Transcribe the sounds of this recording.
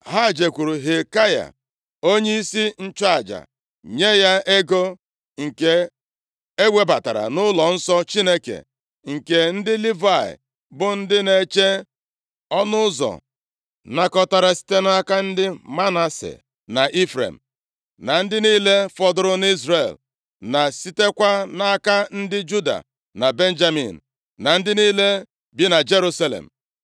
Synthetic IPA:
ɦa˦˨d͡ʒe˨kʷu˨ɾu˨ɦe˨ka˦ja̰˨ | o˦ɲe˦i˦si˦n̩˦t͡ʃa˨d͡ʒa̰˨ | ɲe˦ja˦ʔe˦ɡo˦ | ŋ̩˨ke˦ | e˦wʷe˦ba˨ta˨ɾa̰˨nʊ˦lɔ˨n̩˦sɔ˦t͡ʃi˦ne˦kḛ˨ | ŋ̩˨ke˨n̩˦dɪ˦li˦va˦˨ɪ̰˨ | bʊ˨n̩˦dɪ˦ne˨t͡ʃe˦ | ɔ˦nʊ˦zɔ̰˨ | na˦kɔ˦ta˨ɾa˨si̥˦te˦na˦ka˦n̩˦dɪ˦ma˦na˦sḛ˨ | na˨ʔi˦fɾḛ˨m̩˨ | na˨n̩˦dɪ˦niː˦le˦fɔ˦dʊ˦ɾʊ˦n˦i˦zɾe˨l | na˨si˦te˦kʷa˦na˦ka˦n̩˦dɪ˦d͡ʒu˦da̰˨ | na˨be˦n˦d͡ʒa˦mḭ˨n̩˨ | na˨n̩˦dɪ˦niː˦le˦ | bi˦na˨d͡ʒe˦ɾu˦sa˦lḛ˨m̩˨

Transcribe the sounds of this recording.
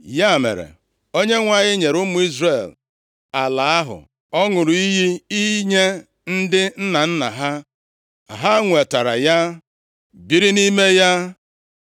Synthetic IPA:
ja˦˨mḛ˨ɾḛ˨ | o˦ɲe˦ŋʷa˦˨ɲɪ˦ɲe˨ɾʊ˦mʊ˨i˦zre˦˨l | a˨la˨a˦ɦʊ̰˨ | ɔ˦ŋʊ˨ɾʊ˨i˦ɦi˦i˦ɲe˦ | n̩˦dɪ˦n̩˦na˨n̩˦na̰˨ɦa˦ | a˨ɦa˦ŋʷe˨ta˨ɾa̰˨ja˦ | bi˦ɾi˦ni˦me˦ja˦

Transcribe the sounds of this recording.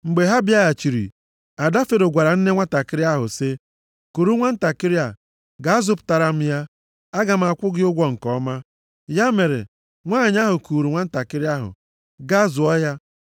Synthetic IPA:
ŋ͡m̩˨ɡ͡be˨ɦa˦bi˦a˦ja˨t͡ʃi˨ɾḭ˨ | a˨da˦fe˨ɾo˨ɡʷa˨ɾa˨n̩˦ne˦ŋʷa˦ta˨kɪ˦ɾɪ˦a˦ɦʊ̰˨sɪ˦ | ku˨ɾu˦ŋʷa˦n̩˦ta˨kɪ˦ɾɪ˦a˨ | ɡa˨a˦zʊ˦pʊ̥˨ta˨ɾa˦m̩˦ja˦ | a˦ɡa˨m̩˦˨a˨kʷʊ˦ɡɪ˦ʊ˦ɡʷɔ˦ŋ̩˨kɔ˦ma˦ | ja˦me˨ɾḛ˨ | ŋʷa˦˨ɲ˦a˦ɦʊ˨ku˨ɾu˨ŋʷa˦n̩˦ta˨kɪ˦ɾɪ˦a˦ɦʊ̰˨ | ɡa˦zʊ˨ɔ˦ja˦

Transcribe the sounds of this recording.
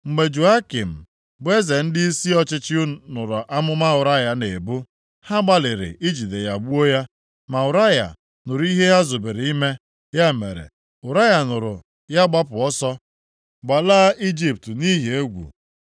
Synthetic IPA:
ŋ͡m̩˨ɡ͡be˨d͡ʒu˨a˦ki˨m̩˨ | bʊ˦e˦ze˨n̩˦dɪ˦i˦si˦ɔ˦t͡ʃɪ˦t͡ʃɪ˦ʊ˦nʊ˨ɾʊ˨ʔa˦mʊ˦ma˦ʊ˨ɾa˦ja˨ne˨bu˦ | ha˦ɡ͡ba˦lɪ˨ɾɪ̰˨ʔi˦d͡ʒi˨de˨ja˨bu˦o˦ja˦ | ma˨ʊ˨ɾa˦ja̰˨ | nʊ˨ɾu˨˦i˦ɦe˦ja˦zo˨be˨ɾe˨i˦me˦ | ja˦mḛ˨ɾḛ˨ | ʊ˨ɾa˦ja˨nʊ˨ɾʊ̰˨ | ja˦ɡ͡ba˦pʊ˨ɔ˦sɔ˦ | ɡ͡ba˨la˦ʔi˦d͡ʒi˦p̚tni˦ɦe˦ɡʷṵ˨

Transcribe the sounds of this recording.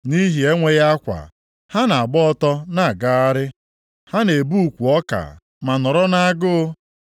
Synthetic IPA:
ni˦ɦi˨e˦ŋʷe˦ja˦kʷa̰˨ | ha˦na˨a˨bɔ˦ɔ˦tɔ˦na˨ɡa˦a˦ɾɪ˦ | ha˦ne˨bu˦u˨kʷu˨ɔ˦ka̰˨ | ma˨nɔ˨ɾɔ˦na˦a˦ɡʊ˦

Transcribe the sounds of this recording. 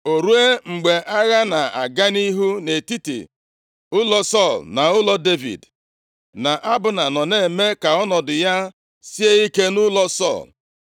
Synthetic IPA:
o˨ɾu˦e˦ŋ͡m̩˨ɡ͡be˨ʔa˦ɣa˦na˨a̰˨ɡa˦ni˦ɦu˦ne˨ti˦tḭ˨ | ʊ˦lɔ˦sɔ˦˨lna˨ʊ˦lɔ˦de˦vḭ˨d | na˨ʔa˦bʊ˨na˨nɔ˨ne˨me˦ka˨ɔ˦nɔ˨dʊ˨ja˦ | si˦e˦i˦ke˦nʊ˦lɔ˦sɔ̰˦˨l

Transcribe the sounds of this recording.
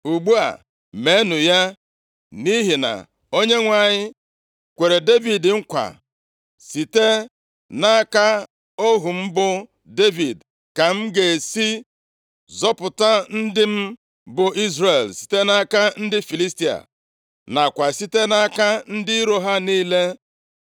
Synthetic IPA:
u˨ɡ͡bu˦a̰˨ | me˦nʊ˨ja˦ | ni˦ɦi˨na̰˨ | o˦ɲe˦ŋʷa˨ɲɪ˦ | kʷe˨ɾe˨de˦vi˨dɪ˨ŋ̩˦kʷa̰˨ | si˨te˦ | na˦ka˦ | o˦ɦu˨m̩˦bʊ˦ | de˦vi˨d | ka˨m̩˦ɡe˨si˦ | zɔ˦pʊ˨ta˦n̩˦dɪ˦m̩˦ | bʊ˨i˦zre˨lsi̥˨te˦na˦ka˦n̩˦dɪ˦fi˨li˦sti˦a̰˨ | na˨kʷa˨si˦te˦na˦ka˦n̩˦dɪ˦i˦ɾo˦ɦa˦niː˦le˦

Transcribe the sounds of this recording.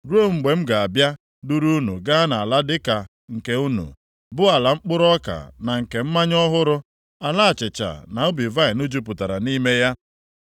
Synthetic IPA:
ɾo˦ŋ͡m̩˨ɡ͡be˨m̩˦ɡa˨a˨bja˦ | du˦ɾu˦nṵ˨ɡa˦na˨a˨la˦dɪ˦ka˨ | ŋ̩˨ke˨u˦nṵ˨ | bʊ˦a˨la˨ŋ͡m̩˦k͡pʊ˦ɾɔ˦ka̰˨na˨ŋ̩˨ke˨m̩˦ma˦ɲ˦ɔ˦ɦʊ˦ɾʊ˦ | a˨la˦a˨t͡ʃɪ˨t͡ʃa̰˨na˨ʊ˦bi˨va˦ɪ˨nʊ˦d͡ʒu˦p̬ʊ˨ta˨ɾa˨ni˦me˦ja˦

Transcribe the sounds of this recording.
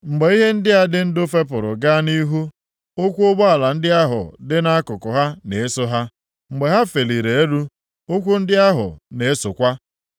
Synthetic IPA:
ŋ͡m̩˨ɡ͡be˨i˦ɦe˦n̩˦dɪ˦ɦa˦dɪ˦n̩˦dʊ˦fe˦p̬ʊ˨ɾʊ˨ɡa˦ni˦ɦu˦ | o˦kʷu˦ʊ˦bɔ˦a˨la˨n̩˦dɪ˦a˦ɦʊ̰˨dɪ˦na˦a˦kʊ˨kʊ˨ɦa˦ne˨e˦sʊ˦ɦa˦ | ŋ͡m̩˨ɡ͡be˨ɦa˦fe˨li˨ɾe˨e˦ɾu˦ | o˦kʷu˦n̩˦dɪ˦a˦ɦʊ̰˨ne˨e˦sʊ˨kʷa˦

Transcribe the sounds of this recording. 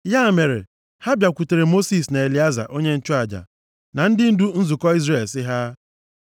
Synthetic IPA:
ja˦˨me˨ɾḛ˨ | ha˦bja˨kʷu˨te˨ɾe˨mo˦si˨sna˨e˨li˨˦a˦za̰˨ʔo˦ɲe˦n̩˦t͡ʃʊ˦a˨d͡ʒa̰˨ | na˨n̩˦dɪ˦n̩˦du˦n̩˦zʊ˨kɔ˦i˦zre˨lsɪ˦ɦa˦

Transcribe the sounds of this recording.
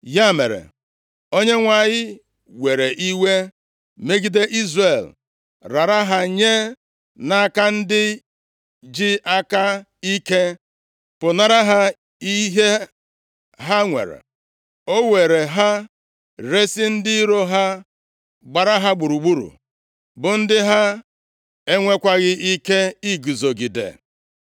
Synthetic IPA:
ja˦mḛ˨ɾḛ˨ | o˦ɲe˦ŋʷa˨ɲɪ˦ | we˨ɾe˨ʔi˦we˦ | me˦ɡi˦de˦ʔi˦zre˨l | ɾa˨ɾa˦ɦa˦ɲe˦ | na˦ka˦n̩˦dɪ˦ | d͡ʒi˦ʔa˦ka˦ | i˦ke˦ | pʊ˨na˨ɾa˦ɦa˦ | i˦ɦe˦ | ɦa˦ŋʷḛ˨ɾḛ˨ | o˦we˨ɾe˨ɦa˦ | ɾe˦si˦n̩˦dɪ˦i˦ɾo˦ɦa˦ | ɡ͡ba˨ɾa˦ɦa˦ɡ͡bu˨ɾu˨ɡ͡bu˦ɾṵ˨ | bʊ˨n̩˦dɪ˦ɦa˦ | e˦ŋʷe˦kʷa˦ɣɪ˦ʔi˦ke˦i˦ɡu˨zo˨ɡi˨dḛ˨

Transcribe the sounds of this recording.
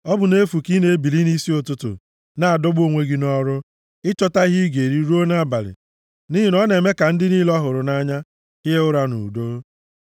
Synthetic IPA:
ɔ˦bʊ˨ne˦fu˨ki˦ne˦bi˨li˦ni˦si˦o˨tʊ˨tʊ̰˨ | na˨a˨dʊ˦ɡ͡bo˨ŋʷe˦ɡi˦nɔ˦ɾʊ˦ | ɪ˦t͡ʃɔ˦ta˦i˦ɦi˦ɡe˨ɾi˦ɾu˦o˦na˦a˦˨ba˨lɪ̰˨ | ni˦ɦi˨nɔ˦ne˨me˦ka˨n̩˦dɪ˦ni˦lɔ˦ɦʊ˨ɾʊ˨na˦ɲa˦ | ɪ˦ɦe˦ʊ˦ɾa˦nṵ˨do˦

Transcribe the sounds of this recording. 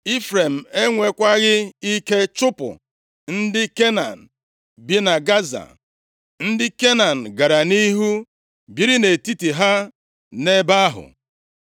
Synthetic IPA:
i˦fɾe˨m̩˨e˦ŋʷe˨kʷa˦ɣɪ˦i˦ke˦t͡ʃʊ˦pʊ̰˨ | n̩˦dɪ˦ke˦na̰˨n̩˨ | bi˦na˨ɡa˦za̰˨ | n̩˦dɪ˦ke˦na˨n̩˨ɡa˨ɾa˨ni˦ɦu˦ | bi˦ɾi˦ne˨ti˦ti˨ɦa˦ | ne˦ba˦ɦʊ̰˨

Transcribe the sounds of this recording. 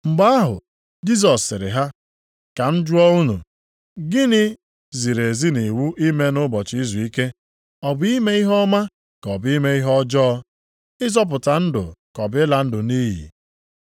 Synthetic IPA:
m̩˨ɡ͡ba˦a˦ɦʊ̰˨ | d͡ʒi˦z̬ɔ˨sːɪ˨ɾɪ̰˨ɦa˦ | ka˨n̩˦d͡ʒwɔ˦u˦nṵ˨ | ɡɪ˦nɪ˦ | zi˨ɾe˨zi˦ni˨wu˦ʔi˦me˦nʊ˦bɔ˨t͡ʃi˦zu˨i˦ke˦ | ɔ˨bʊ˦i˦me˦i˦ɦɔ˦ma˦ | kɔ˨bi˦me˦i˦ɦɔ˦d͡ʒɔ˦ | ɪ˦zɔ˦p̬ʊ˨ta˨n̩˦dʊ̰˨kɔ˨bɪ˦la˨n̩˦dʊ˨niː˦ɦḭ˨

